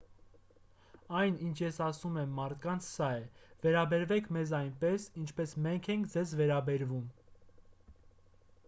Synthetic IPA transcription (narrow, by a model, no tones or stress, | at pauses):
ɑjnint͡ʃʰjɛsɑsumɛmːɑɾt̪ʰkɑnt͡sʰsɑɛvɛɾɑbɛɾvɛkʰmɛzɑjnpɛsint͡ʃʰpɛsmɛŋkʰɛŋkʰd͡zɛzvɛɾɑbɛɾvum